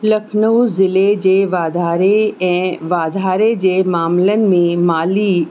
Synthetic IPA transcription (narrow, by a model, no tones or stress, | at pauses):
lɐkʰnəuzɪled͡ʑeːʋaːd̪ʱaːɾeɛ̃ːʋaːd̪ʱaːɾed͡ʑeːmaːmlənɪ̆mẽmaːli